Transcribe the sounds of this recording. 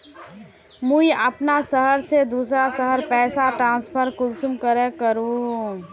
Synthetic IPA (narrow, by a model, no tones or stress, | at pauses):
muiəpnasəɦəɾsed̪uːsɾasəɦəɾpɛːsaʈɾãːnspʰəɾkʊlsʊmkəɾẽkəɾũː